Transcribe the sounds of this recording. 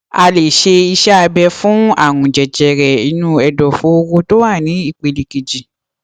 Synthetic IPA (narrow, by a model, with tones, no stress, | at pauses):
a˧le˨ʃe˧i˧ʃɛ˦a˧bɛ˧fũ˦a̰˦˨ŋũ˨d͡ʒɛ˨d͡ʒɛ˨ɾɛ˨i˧˦nũ˦ɛ˧dɔ˨fo˨˦o˧ɡo˦to˦wa˦˨nĩ˨˦i˦˨k͡pe˧li˨ke˨d͡ʒi˨